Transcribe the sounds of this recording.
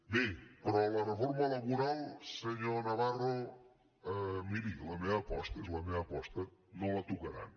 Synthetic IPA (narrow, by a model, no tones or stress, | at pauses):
bepɾɔlarefoɾmalaβuɾalˠseɲonaβaro | miɾilameapɔst̪ezlameapɔst̪anõlat̪ukaɾa̰n